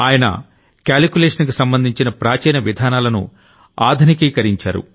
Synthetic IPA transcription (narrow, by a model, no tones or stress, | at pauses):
aːjɐnɐ̰ | kjaːlkʲuleːʂɐnkusɐmbɐnd̪ʱiɲt͡ʃinɐpɾaːt͡ʃɛːnɐʋid̪ʱaːnaːlɐnṵ | aːd̪ʱunikiːkɐɾiɲt͡ʃa̰ːɾṵ